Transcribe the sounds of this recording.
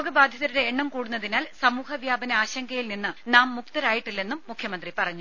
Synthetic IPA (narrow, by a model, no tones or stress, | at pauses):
ɡɐbaːd̪ʱjɐðɐɾuɾeːɳːɐmkuːɽunːɐðinaːlsɐmuːhɐʋjaːbɐnɐaːɕɐŋɡɐjilninːɨnaːmːukt̪ɐɾaːjiʈːilːe̞nːumːukʰjɐmɐnd̪ripɐrɐɲːu